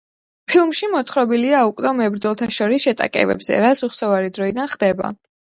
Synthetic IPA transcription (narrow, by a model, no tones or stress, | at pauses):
pʰilˠmʃimɔt̪χɾɔbiliaukʼnɔmɛbɾd̪zɔlˠt̪ʰaʃɔɾisʃɛt̪ʼa̰kʼɛ̰bɛ̰bz̥ɛ̰ɾasuχsɔvaɾid̪ɾɔid̪anχd̪ɛba̰